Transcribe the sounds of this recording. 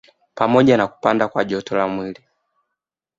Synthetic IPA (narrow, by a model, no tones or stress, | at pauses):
pamɔʄanaku̥pandakwaʄɔtɔlamwili